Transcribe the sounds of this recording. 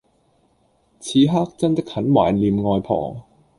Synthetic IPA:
t͡sʰiː˨˧ɦaː˥k̚t͡sɐ˥nt̪ɐ˥k̚hɐ˨˥nwa̰ː˨˩nliː˨˧mŋɔː˧jpʰɔ̰ː˨˩ŋ

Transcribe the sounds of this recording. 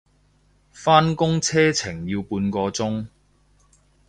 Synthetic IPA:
faː˥nkʊ˥ŋt͡sʰɛː˥t͡sʰɪ˨˩ŋjiː˧wpuː˧nkɔː˧t͡sʊ˥ŋ

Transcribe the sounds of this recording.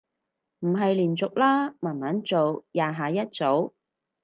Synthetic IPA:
m̩˨˩ɦɐ˨jliː˨˩nt͡sʊ˨k̚laː˥maː˨˩nmɐ˨˥nt͡so˨wjaː˨˧ɦaː˨˧jɐ˥t̚t͡so˨˥w

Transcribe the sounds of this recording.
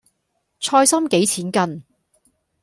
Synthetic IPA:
t͡sʰɔː˧jsɐ˥mke˨˥jt͡sʰiː˨˥nkɐ˧n

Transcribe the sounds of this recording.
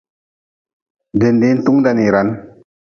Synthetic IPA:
d̪e˨nd̪e˦nt̪u˦ŋd̪a˨ni˨ɾa˨n

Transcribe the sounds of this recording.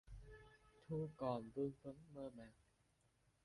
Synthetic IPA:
t̪ʰuː˧kɔː˨˩nbɯ˧ŋfɯ˦˥ŋmɤː˧maː˨˩ŋ

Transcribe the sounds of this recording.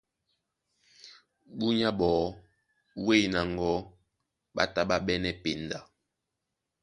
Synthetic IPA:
bu˦ɲa˦ɓɔ˨˦ | we˦˨na˨ŋ˨ɡɔ˦ | ɓa̰˦ta˦ɓa˦ɓɛ˦nɛ˦pe˨nda˨

